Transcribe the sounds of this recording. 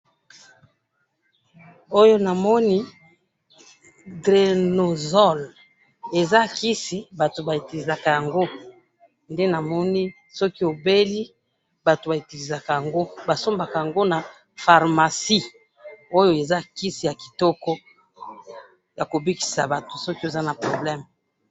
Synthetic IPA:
o˦jo˦na˨mɔ˦ni˦ | dʁe˨no˨zɔ˦˨l | e˨za˦ki˦si˨ba˨to˨ba˨e˨ti˨li˨za˨ka˨ja˨ŋɡo˦ | nde˦na˨mɔ˦ni˦ | sɔ˦ki˦o˨be˦li˦ | ba˨to˨ba˨e˨ti˨li˨za˨ka˨ja˨ŋɡo˦ba˨so˦mba˨ka˨ja˨ŋɡo˦na˨ | fa˨ʁma˨si˦ | o˦jo˦e˨za˦ki˦si˨ja˨ki̥˨tɔ˦kɔ˦ | ja˨ko˨bi˦ki̥˨sa˨ba˨to̥˨sɔ˦ki˦o˨za˦na˨pʁo˨blɛ˦m

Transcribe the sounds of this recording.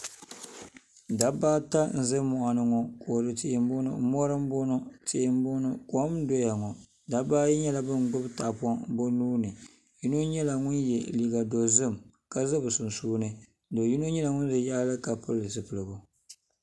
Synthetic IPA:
da˨baː˦ta˦n̩˨˦zɨ˦mɔ˨ʔa˨nɨ˦ŋɔ˨ko˨ɾɨ˨tɪ˦˨ʔɪ˨m˦bʊ˦nʊ̰˦mɔ˦ɾɨ˦m˦bʊ˦nɔ˦te˦ɪ˦m˦bʊ˦nɨ˦kɔ˦mdɔ˦ja˨ŋɔ˨ | da˨baː˦ji˦ɲɛ˦la˨bɨ˦ŋ˨ɡ͡bʊ˦bta˨pɔ˦bo˦nuː˦nɨ˨ | ju˦no˦ɲɛ˦la˨ŋʊ˦njɛ˨liː˨ɡa˨do˨zɨ˦m | ka˨zɨ˦bɨ˨sʊ˨nsuː˦nɨ˦ | do˨ji˦no˦ɲɛ˦la˨ŋʊ˦n˦zɨ˨ja˦lɨ˦ka˨pɨ˦lɨ˨zɨ˨pɨ˨lɨ˨ɡʊ˨

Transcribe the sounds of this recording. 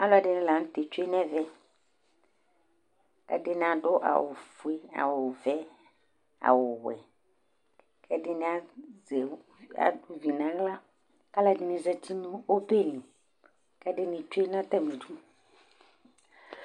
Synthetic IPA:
a˦lʊ˦a˨dɪ˦nɪ̃˦la˨ñ̩˦t̪e˨t͡ʃe˦nɛ̃˦vɛ˦ | kɛ̰˦dɪ˦n˨a˨dʊ˦ʔa̰˨wʊ̰˨fu˨e˦a̰˨wʊ˨vɛ˦ | a̰˨wʊ˨wɛ̰˨ | kʰɛ˦dɪ˦nɪ̃˨˦a˦zɛ˨ | a̰˨dʊ˨vi˨nã˨˦la˦ | ka˦la˨dɪ˦nɪ̃˨zɛ˦t͡ɕi˦nũ˦wo˦pe˦˨nĩ˨ | kɛ˦dɪ˦nɪ̃˨t͡ʃu˦e˦n˦ã˦t̪a˦mĩ˨du˦

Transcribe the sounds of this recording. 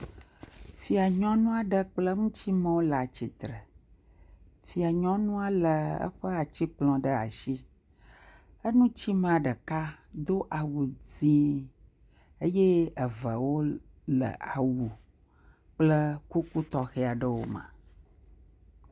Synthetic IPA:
fi˨a˨ɲɔ̃˦nũ˦a˨ɖə˦k͡plə˦ŋũ˦t͡ɕi˦mə̃˦wo˦lə˨a˨t͡ɕi˨t̪ɾə˨ | fi˨a˨ɲɔ̃˦nũ˦a˨lə˨ə̰˦ɸə˦a˨t͡ɕi˦k͡plɔ̃˨ɖə˦a̰˨ʃi˦ | ə˦nũ˦t͡ɕi˦mẽ˨a˨ɖə˨ka˦d̪o˦ʔa˨wu˨d͡zĩ˦ | ə˦je˦ə˨və˨wo˦ | lə̰˨ʔa˨wu˨ | k͡plə˦ku˦ku˦t̪ɔ˨xe˦a˨ɖə˦wo̰˦mə̰̃˨

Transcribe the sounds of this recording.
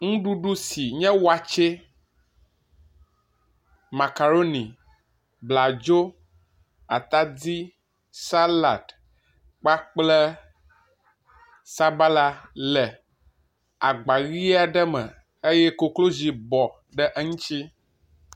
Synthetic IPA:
ŋũ˦ɖu˦ɖu˦si˨ɲɛ̃˦wa˨t͡ʃe˦ | ma˨ka˨ɾo˦ni˨ | bla˨d͡ʒo˦ | a˨t̪a˦d̪i˦ | sa˦la˨d | k͡pa˦k͡plɛ˦ | sa˦ba˦la˦lɛ˨ | a˨ɡ͡ba˨ɣi˦a˨ɖə˦mə˨ | e˦jɛ˦ko˨klo˦zi˨bɔ˨ | ɖə˦ʔə˦ŋũ˦t͡ʃi˦

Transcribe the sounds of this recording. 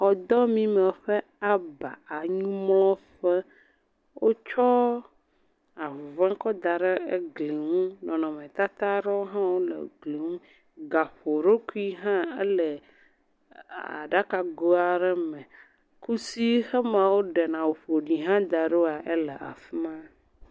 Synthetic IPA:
xɔ˨d̪ɔ˦mĩ˦mɛ̃˨ɸɛ˦ | a˦ba̰˨a˨ɲũ˦mlɔ̃˦ɸɛ˦ | wʔo˦t͡ʃɔ˦ | a˨vã˦kɔ˦d̪a˨ɖɛ˦e˦ɡli˨ŋũ˦nɔ̃˨nɔ̃˨mẽ˨t̪a˦t̪a˦ɖɛ˦wo˦ɦã˦wo˦lɛ̰˨ɡli˨ŋũ˦ | ɡa˨ɸo˨ɾo˦ku˦i˦ɦã˦e˦lɛ˨ | a̰˨ɖa˦ka˨ɡo˦a˨ɖɛ˦mɛ̃˨ | ku˦si˦xɛ˦mã˨wo˦ɖɛ˨nã˨wo˨ɸo˨ɖi˨ɦã˦d̪a˨ɖo˦a˨ʔe˦lɛ˨ʔa̰˨fi˦mã˦

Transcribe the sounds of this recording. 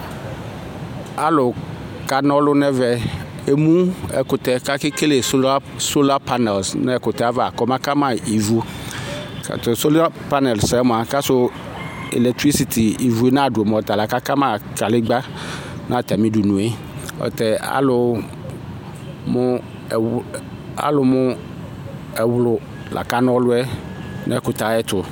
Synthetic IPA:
a˨lʊ˨ka˨nɔ˦lʊ˦nɛ˦vɛ˨ | e˦mũ˦ɛ̰˨kʊ˨t̪ɛ˨ka˦kɪ˦ke˦le˨sa˦so˦la˦pa˦nɛ˨lsnɛ˦ɛ˨kʊ˨t̪ɛ˨a˦va˨kɔ˦mã˦ka˦mã˨i˨vu˦ | ka̰˨t̪ʊ˨so˦la˦pa˦nɛ˨lsɛ˦mʊ˨a˨ka˦sʊ˦ | ḛ˨lɛ˨t̪ɾi˦si˨t̪ʰi˨i˨vu˨e˦nã˦˨dʊ˨o˨m˨ɔ˨t̪a˨la˨ka˦ka˦mã˦˨ka˨lɪ˦ɡ͡ba˦nʔã˦˨t̪a˨mĩ˦du˨nũ˨e˦ | ɔ̰˨t̪ɛ˨a̰˦lʊ˨˦ | mʊ̃˦˨ | a̰˦lʊ˨mʊ̃˦ | ɛ˨wlʊ˨ | lʔa̰˨ka˦nɔ̃˦lʊ˦ɛ˦nʔa̰˦ɛ˨kʊ˨t̪a˨˦ɛ˦t̪ʰʊ˨

